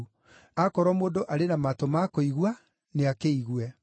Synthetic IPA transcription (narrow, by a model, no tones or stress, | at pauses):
akɔɾwɔmoːdoʔaɾenamatomakoiɣwa | neakeiɣwɛ